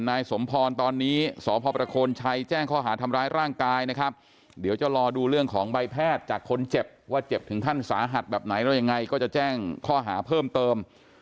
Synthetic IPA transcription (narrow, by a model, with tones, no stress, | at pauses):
nːaː˧jso˩˦mpʰɔː˧nt̪ɔː˧nːiː˦˥sɔː˩˦pʰɔː˧pɾa˧kʰoː˧nt͡ɕʰa˧jt͡ɕɛː˥˩ŋkʰɔː˥˩ɦaː˩˦t̪ʰa˧mɾaː˦˥jɾaː˥˩ŋkaː˧jna˦˥kʰɾa˦˥p̚ | di˩˦əwt͡ɕa˨˩lɔː˧duː˧ɾɯ˥˩əŋkʰɔː˩˦ŋba˧jpʰɛː˥˩t̪̚t͡ɕaː˨˩kʰːo˧nt͡ɕe˨˩p̚waː˥˩t͡ɕe˨˩p̚t̪ʰɯ˩˦ŋt̪ʰa˥˩nsa̰ː˩˦ɦa˨˩t̪̚bɛː˨˩p̚na˩˦jdɛ˦˥˩ja˧ŋːa˧jkɔː˥˩t͡ɕa˨˩t͡ɕɛː˥˩ŋkʰɔː˥˩ɦa̰ː˩˦pʰɤː˥˩mt̪ɤː˧m